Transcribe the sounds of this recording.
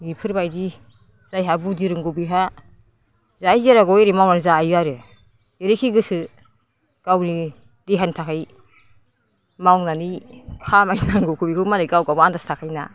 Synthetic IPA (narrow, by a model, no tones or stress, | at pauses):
ɡipʰɯɾbajdi | z̥ajɦabudiɾɯŋɡubiɦa | zajziɾaɡɔjɾemawnanzajaɾɯ | eɾikʰiɡɯsɯ | ɡ̥awni | deɦantʰakʰaj | mawnanikʰamajnaŋɡukʰubikʰɯmalajɡawɡawandastʰakʰajna̰